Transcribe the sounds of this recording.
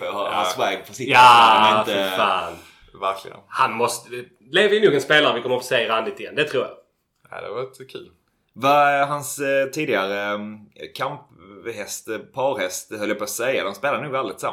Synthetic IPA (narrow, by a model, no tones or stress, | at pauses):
hasvajpfɔsɪaɪt̪əfaːn | væɾkʰlɪ̰ɡə̰nhanmɔst̪ə | leːvəjənuːɡɛnspeːlaɾəvɪkʰɔmːəɾfoːsejaɾand̪ɪt̪ɪɛnd̪ɛt̪ʰɾuːɾja̰ | ad̪ɛ̰vaɛt̪kʰʉ̟̰ːl | vaɦanst̪ʰiːd̪ɪɡaɾəkʰamphɛst̪pʰɑɾhɛst̪hœlːjaposɛjːa̰d̪ɔmspeːlad̪ənuːɡvɛld̪ɪt̪sa̰m